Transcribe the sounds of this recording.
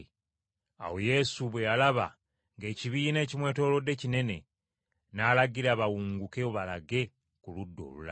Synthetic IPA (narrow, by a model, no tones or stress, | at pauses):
a̰wo̞je̞suβwe̞jalaβa̰ | ŋɡe̞ːciβiːne̞ːcimwe̞ːto̞ːlo̞dːe̞cine̞ne̞ | naːlaɡiɾaβawuːŋɡukeoβalaɡe̞ | kuludːo̞̰ːlula̰